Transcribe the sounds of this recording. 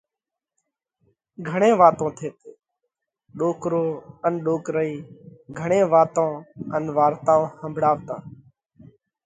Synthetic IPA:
ɡʱəɳẽːʋaːt̪õːt̪ʰeːt̪eː | ɗoːkɾoːənɗoːkɾəiːɡʱəɳ̃ẽːʋaːt̪õːənʋaːɾt̪ãːõːhəmbʱɽaːʋt̪ã̰ː

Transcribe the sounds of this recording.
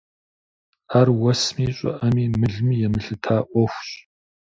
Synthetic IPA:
aːrwɐsmiːɕʼʊ̰ʔɐmiːmɨɮmiːjɛmɨɬɨtʰaːʔʷɔxʷɕ

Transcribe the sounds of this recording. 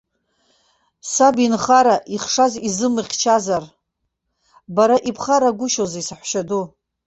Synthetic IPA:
sabinχaɾaʔiχʂazizɨmɨχʲt͡ʃʰazar | baɾaʔipʰχaɾaɡʷʊʃozisaħʷʃadu

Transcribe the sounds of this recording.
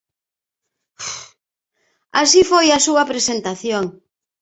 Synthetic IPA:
asifojasuapɾesent̪aθjoŋ

